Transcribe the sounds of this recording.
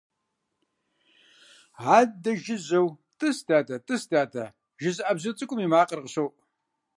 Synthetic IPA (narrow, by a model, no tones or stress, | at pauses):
ʕaːd̚dɐʒɪzɐwtʼɨsdaːtʰɐtʼɨstaːtʰɐ | ʒɪzɨʔɐbzɨt͡sʼɨkʷʼʊmiːmaːqərʁəɕowʔ